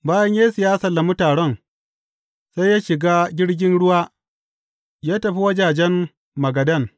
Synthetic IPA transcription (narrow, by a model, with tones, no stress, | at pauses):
baː˦jɐ˦ɲjaː˦sɪ˨jaː˦sɐ˨lːa˨mu˦taː˨ɽɐ˦ŋ | sa˦jːaː˦ʃɪ˨ɡaː˦ɡʲɪ˦ɽɡʲɪ˦nɽʊ˦waː˦ | jaː˦tɐ˨ɸi˦wɐ˦d͡ʒaː˨d͡ʒɛ˦mː | ɐ˨ɡɐ˨dɐ˦˨n